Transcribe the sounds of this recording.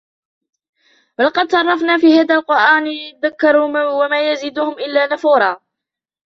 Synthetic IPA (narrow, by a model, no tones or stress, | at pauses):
balqɑd̪sˤɑrˤːɑfnaːfiːhaːd̪aːlqʊɾʔaːnðakːɑɾˤuːwamaːjaziːd̪ʊhʊmʔɪlːaːnafuːɾˤɑː